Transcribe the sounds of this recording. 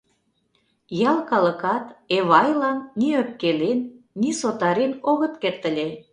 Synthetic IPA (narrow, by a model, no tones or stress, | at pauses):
jɑlkɑlə̆kɑt̪eβɑjlɑnːiøp̚kelenː | isot̪ɑɾenoɣə̆t̪kert̪ə̆lʲe